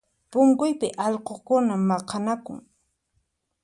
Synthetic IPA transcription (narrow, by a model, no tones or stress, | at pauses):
pʊŋkʊjpɪʔɑʎqokʊnamːɑqɑnakʊ̰ŋ